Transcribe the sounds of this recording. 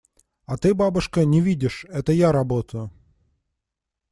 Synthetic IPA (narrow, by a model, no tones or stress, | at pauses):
at̪ɨbabʊʂkənʲɪvʲidʲɪʂɛt̪əjaɾɐbot̪əjʊ